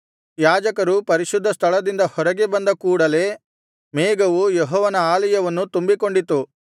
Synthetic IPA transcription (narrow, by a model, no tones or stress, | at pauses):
jaːd͡ʒɐkɐɾupɐɾiʃud̪ːɐst̪ʰɐɭɐd̪ind̪ɐhɔɾɐɡe̞bɐnd̪ɐkuːɽɐle̞ | meːɡɐʋujeɦɔːʋɐnɐaːlɐjɐʋɐnːut̪umbiko̞ɳɖit̪ːu